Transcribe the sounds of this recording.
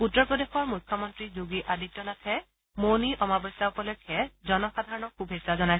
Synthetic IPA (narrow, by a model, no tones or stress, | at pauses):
utːɔɹpɹɔdexɔɹmujkʰːɔmɔntɹizuɡiʔadik̚tːɔnatʰɛ | moniɔmabɔsaupɔlɔkʰːɛzɔnɔxad̪ʱaɹɔnɔkubʱesazɔnajs